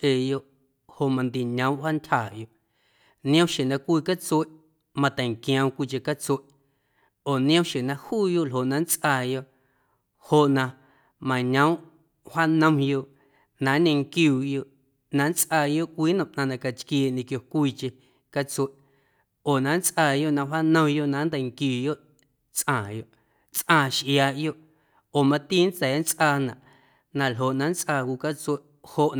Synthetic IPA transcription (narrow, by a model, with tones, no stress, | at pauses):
eː˧˨jo˧ʔ | ho˨ʔmã˧nd̪i˨ɲə̃˨˦w̃ʔha˦ntʲhaː˨jo˧ʔ | nj̃ə̃˦wʃe˨nã˧kʷiː˧ka˦t͡se˦˨ʔ | mã˧t̪ɛ˨ŋkj̃ə̃˧w̃kʷi˧t͡ʃe˧ka˦t͡swe˦˨ʔ | oː˨nj̃ə̃˦wʃe˨nã˧huː˦jo˧˨ʔlɦo˨ʔnã˧n˦t͡sʔaː˧˨jo˧˨ʔ | ho˧˨ʔnã˧ | mã˨ɲə̃˨˦w̃ʔ | ha˦nə̃˧mjo˧ʔ | nã˨˦ɲẽ˧ŋkjuː˧˨jo˧ʔ | nã˨˧nt͡sʔaː˧˨jo˦ʔkʷiː˦nə̃˨ʔnã˧nã˧˨ka˧t͡ʃkjeː˧˨ʔɲẽ˧kjo˧kʷiː˦˧t͡ʃe˧ | ka˦t͡swe˨ʔ | oː˨nã˨˦n˦t͡sʔaː˧˨jo˦ʔnã˧wa˦nə̃˧mjo˧ʔnã˨˦nd̪a˨ŋkjuː˨jo˦ʔ | t͡sʔãː˨jo˧ʔ | t͡sʔãː˧˨ʃʔjaː˧ʔjo˦ʔ | oː˨mã˧t̪iː˦n˦t͡sɛ˨˦n˦t͡sʔaː˧nã̰˨ʔ | nã˧lɦo˨ʔnã˨˦n˦t͡sʼʔaː˧˨kʷuː˧ka˦t͡swe˧ʔ | ho˧ʔ